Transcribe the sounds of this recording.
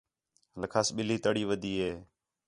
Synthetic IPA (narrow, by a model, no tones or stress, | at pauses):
ləkʰaːsɓɪliːt̪əɽiːʋəd̪ʱiːɦeː